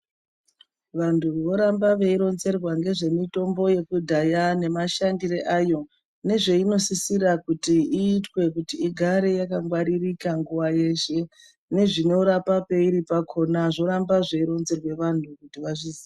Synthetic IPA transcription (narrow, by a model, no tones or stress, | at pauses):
ʋantʰuʋo̞ɾambaʋe̞iɾo̞nze̞rwaŋɡe̞ʐe̞mito̞mbo̞je̞kudʱajane̞maʃandireʔajo̞ | ne̞ʐe̞ino̞sisirakutiiːtwe̞kutiiɡʱaɾe̞jakaŋɡwaɾirikaŋɡuwaje̞ʃe̞ | ne̞ʐino̞ɾapape̞iɾipakʰo̞naʐo̞ɾambaʐe̞iɾo̞nze̞rwe̞ʋantʰukutiʋaʐizi